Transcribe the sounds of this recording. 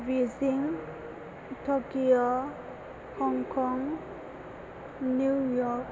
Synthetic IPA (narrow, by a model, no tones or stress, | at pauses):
viziŋ | tʰɔkio | hɔŋkʰɔŋ | nujɔk